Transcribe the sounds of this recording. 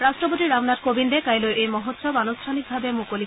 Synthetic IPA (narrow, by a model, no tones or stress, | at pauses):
ɾasʈop̬ot̪iɾamnatkobind̪ekajloʔejmɔɦot̪sɔbanostʈʰanik̚bʱabemukoli